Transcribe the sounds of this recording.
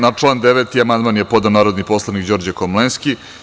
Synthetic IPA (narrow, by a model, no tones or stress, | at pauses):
nat͡ʂlˠaːnd̪eʋet̪iamand̪maːnjepo̞d̪anaːɾod̪nipo̞slˠanikd͡ʑo̞ɾd͡ʑekomlenski